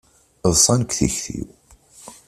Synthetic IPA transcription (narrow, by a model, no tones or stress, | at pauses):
ðˤsˤɑnkθḭçθḭw